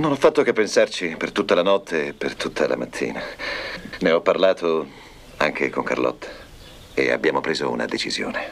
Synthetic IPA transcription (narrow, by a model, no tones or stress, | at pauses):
nonɔfːat̪ːok̟epːensart͡ʃipert̪ut̪ːalanɔt̪ʰːeːpːert̪ut̪ʰːala̰mat̪ʰːḭːna | neɔpːarlaːt̪ʰo | aŋk̟ʰekoŋka̰rlɔ̰t̪ːḁ | ḛa̰bːjaːmopɾeːzo̰ṵna̰d̪et͡ʃizjo̰ːne